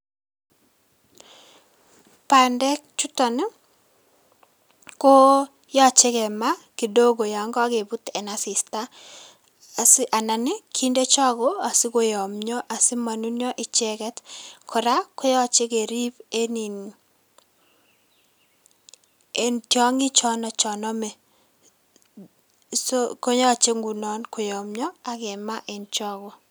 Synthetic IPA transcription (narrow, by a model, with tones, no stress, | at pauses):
pa˨ndɛ˦k̚t͡ʃu˦tɔ˨n˦ | ko˦ | jɔ˦t͡ʃɪ˦kɛ˨ma˦ki˨do˦ɡo˨ja˨ŋɡɔ˦ɡe˨bu˦tɛ˨na˦sɪ˨sta˦˨ | sɪ˦ʔa˨na˨nɪ˦kʰi˦nde˦t͡ʃɔ˦ɡo˦a˨sɪ˦ko˨jɔ˨mɲɔ˦ʔa˨sɪ˦ma˨nu˦njɔ˦ʔɪ˨t͡ʃɛ˦kɛ˦tkʰɔ˨ɾa˦ko˦jɔ˦˨t͡ʃe˦ke˨ɾi˦pe˦ni˨n | e˨ntjɔ˦ŋɪ˦t͡ʃɔ˦nɔ˨t͡ʃɔ˨nɔ˦mɛ˨ | so˦ko˦jɔ˦˨t͡ʃe˦ŋɡu˨nɔ˦nko˨jɔ˨mɲɔ˦a˨ɡɛ˨ma˦ʔe˨nt͡ʃɔ˦ɡo˨